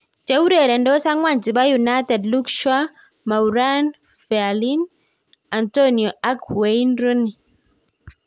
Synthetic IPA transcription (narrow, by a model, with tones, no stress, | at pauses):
d͡ʒe˦u˦ɾɛ˨ɾɛ˨ndɔ˦sa˦ŋwa˨nt͡ʃi˨ba˦junatɛ˨dlu˦kʃwa˦ | ma˨uɾan | fɛ˨alin | a˨ntɔniɔa˦kwejnɾɔ˦ni˨